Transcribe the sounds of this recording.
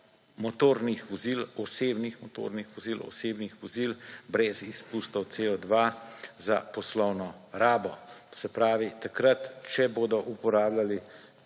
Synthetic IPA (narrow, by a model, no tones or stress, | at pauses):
mɔt̪oːɾnixʋɔzilɔseːbnixmɔt̪o̰ɾnixʋɔzilɔ̰seːbnixʋɔzilbɾɛzispust̪ɔw̪seːɔd̪ʋaza̰pɔslɔwnɔɾaːbɔt̪o̥sɛpɾaːʋit̪akɾɐt̪t͡ʃɛboːd̪ɔʔupɔɾaːblʲali